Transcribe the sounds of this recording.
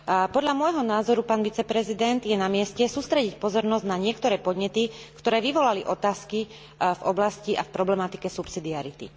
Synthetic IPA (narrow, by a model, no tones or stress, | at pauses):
pɔd̪ʎamʊɔjɦɔnaːzɔɾupaːnʋit͡sɛpɾɛzid̪ɛnd̪jɛnamɪɛscɛsuːst̪ɾɛɟicpɔzɔɾnɔzɟnaɲɪɛkt̪ɔɾɛːpɔd̪ɲɛt̪ikt̪ɔɾɛːʋiʋɔlaliʔɔt̪aːski | vɔblasciʔa̰fpɾɔblɛmat̪ikɛsupsid̪iaɾit̪ḭ